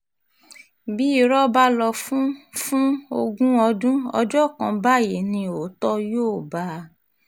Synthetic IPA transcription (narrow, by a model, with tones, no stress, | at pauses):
bi˨˦i˦˨ɾɔ˦ba˦lɔ˧fũ˦fũ˦o˧ɡũ˦ɔ˧dũ˦ɔ˧d͡ʒɔ˦˨kã˧ba˦˨je˨nĩ˧o˨˦tɔ˦joː˦˨ba˧˦